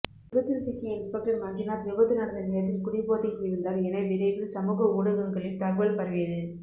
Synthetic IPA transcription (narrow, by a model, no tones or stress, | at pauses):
ʋɪbɐt̪ːɪlsɪkːiɪnspɛk̚ʈɐɾmɐɲd͡ʒɪnaːt̪ʋɪʋɐt̪ːɯnɐɽɐnd̪ɐnɪɭɐt̪̬ːɪlkʊɽɪpːoːt̪ɪkːɪɾɯnd̪aːɾɛnɐɪʋɪɾeʋɪlsɐmuːɣɐuːɽɐɣɯŋɡɐɭɪlt̪aːɣʋɐlpɐɾɐʋɪjɐðɯ